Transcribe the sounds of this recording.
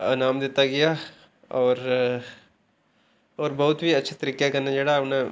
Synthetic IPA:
ɐnaːmd̪eːt̪aɡɪja | ɔːɾ | ɔːɾbɐɦʊt̪bʱiɐtːʃʰat̪ɐɾiːkjakɐɾnad͡ʒeːɽaɐpna

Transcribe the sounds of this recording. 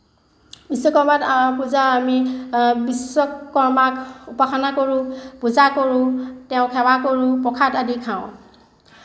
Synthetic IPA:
bisɔkɔɹmatpuzaamibisɔkɔɹmakupaxʰɔnakoɹʊ̃puzakoɹʊ̃tɛʊ̃kʰɛwakoɹʊ̃pɔkʰatadikʰaʊ̃

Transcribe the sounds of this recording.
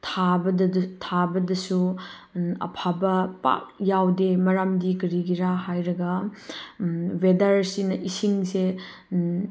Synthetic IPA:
tʰabɐdtʰabɐdɐsu | ɐ̰pʰabɐpa̰k̚jawdemɐɾamdiɡɐɾiɡiɾaɦajɾɐɡɐ | wedɐɾsinɐʔisiŋse

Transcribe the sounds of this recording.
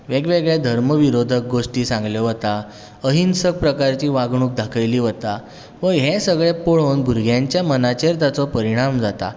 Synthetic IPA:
ʋeɡʋeɡɭjad̪ʱəɾməʋiɾod̪ʱək̚ɡoʂʈiːsãŋɡljɔʋət̪a | əɦinsək̚pɾəkaɾt͡ɕiːʋaɡɳ̃uːk̚d̪ʱakʰəjliːʋət̪a | ʋəɦesəɡɭepoɭəwnbʱuɾɡʱjãɲt͡ɕjamənat͡ɕeɾt̪at͡sɔpəɾiɽ̃amd͡zat̪a̰

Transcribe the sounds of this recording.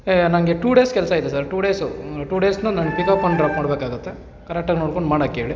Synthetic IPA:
nɐŋɡeʈuːɖeːskɛlsɐid̪esaɾʈuːɽeːsuʈuːɖeːsnunanɡepikaːpːɐɳɖɖɾaːpmaːɽbeːkaːɡut̪ːe̞ | kɐɾek̚ʈaːɡnoːɽkoɳɖmaːɽɐkːɦeːɭi

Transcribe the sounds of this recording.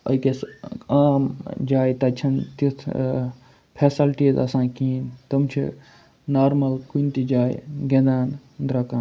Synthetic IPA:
ə̰kesaːmd͡ʒaːjt̪ɐt͡ʃʰɐnt̪it̪ʰ | pʰesɐlʈizɐsãːkiːnt̪əmt͡ʃʰḭ | naːɾmɐlkunt̪id͡ʒaːjɡed̪aːnd̪ɾɐkãː

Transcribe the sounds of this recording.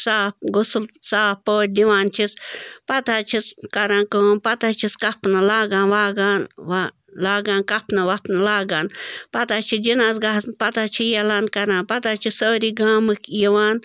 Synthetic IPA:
saːpɡusulsaːpoːt̚ʲd̪iʋaːnt͡ʃʰispɐt̪at͡ʃʰiskɐɾãːkoːmpɐt̪at͡ʃʰiskɐpnalaːɡãːnʋaːɡaːnʋa | laːɡaːnkɐpʰnɐʋɐpnɐlaːɡaːnpɐt̪at͡ʃʰid͡ʒinaːzɡapɐt̪at͡ʃʰijɐlaːnkɐɾãːnpɐt̪aːt͡ʃʰisoːɾiɡaːmɨkjiʋaːn

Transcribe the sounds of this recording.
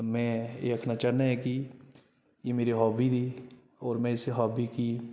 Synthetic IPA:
mɛ̃eɐkʰnat͡ʃaːnaɦɛki | jemeːɾiɦɔːbʱid̪iː | ɔːɾmɛ̃ɪseɦɔːbʱiki

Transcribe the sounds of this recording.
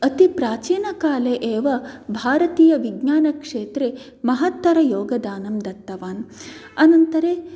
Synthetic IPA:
ɐt̪ipɾaːt͡ʃiːnɐkaːleʔeːʋɐbʱaːɾɐt̪iːjɐʋiɡɲaːnɐkʂeːt̪ɾe | mɐɦɐt̪ːɐɾɐjoːɡɐd̪aːnɐmd̪ɐt̪ːɐʋaːnɐnɐnt̪ɐɾeː

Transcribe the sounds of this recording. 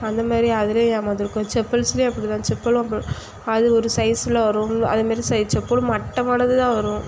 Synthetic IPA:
ɐnd̪ɐmaːd̪ɾiɐðɯlenaːmaːd̪ɪɾɯkːʊ̃t͡ʃɛpːɐlsleɛpːɐɽit̪ãːt͡ʃɛpːɐlɐmɐ̃ | ɐðɯɔɾɯsɐɪsɪlɐʋɐɾʊ̃mɐ̰ðɐmaːd̪ɾisɐɪt͡ʃːɛpːɐl̃mɐʈːɐmaːnɐðɯt̪ãːʋɐɾʊ̃

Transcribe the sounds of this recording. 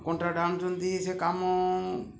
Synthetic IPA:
kõɳʈɾaːɖãːnsõnd̪isekaːmo

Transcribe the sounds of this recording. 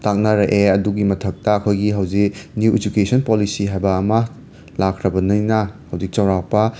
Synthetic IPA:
tak̚nɐɾɐʔeɐduɡimɐtʰɐk̚tɐːkʰojɡiɦɐwd͡ʒik̚njuʔed͡ʒukesɐnpolisiɦajbɐːmɐ | lakʰɾɐbɐnɯjnɐhɐwd͡ʒik̚t͡ʃɐwɾak̚pɐ

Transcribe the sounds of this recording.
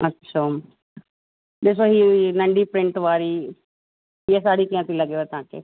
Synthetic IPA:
ətːʃʰaː | b̪eːs̬oɦiːnə̃ɳɖiːpɾɪ̃ɳʈʋaːɾiː | ɛsaːɽiːkijãːt̪ʰiləɡjoɛːt̪ãːkḛː

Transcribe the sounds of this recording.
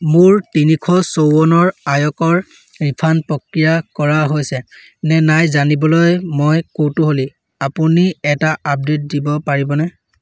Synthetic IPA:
mʊɹtinikʰɔsowɔnɔɹajɔkɔɹ | ɹipʰanpɹɔkɹijakɔɹaɦojsɛ | nɛnajzanibɔlojmojkowtʊɦoli | apuniɛtaʔap̚det̚dibɔpaɹibɔnɛ

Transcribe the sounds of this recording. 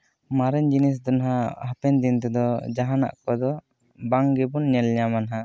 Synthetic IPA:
maɾɛɲd͡ʒinis̬d̪ɔnɦaɦapɛnd̪int̪ɛd̪ɔd͡ʒaɦana̰ʔkɔd̪ɔ | baŋɡɛbunɲɛlɲamanaɦa

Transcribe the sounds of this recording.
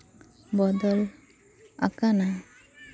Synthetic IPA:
bɔd̪ɔl | a̰kana

